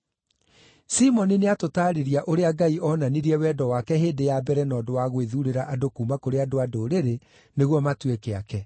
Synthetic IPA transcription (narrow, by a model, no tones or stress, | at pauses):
simɔnineatotaːɾeɾiaʔoɾeaɡaiʔɔnaniɾiɛwɛːdɔwakɛɦeːndejabɛɾɛnɔːdowaɣweðuɾeɾaʔadokumakoɾeadoadoɾeɾe | neɣwɔmatwekeakɛ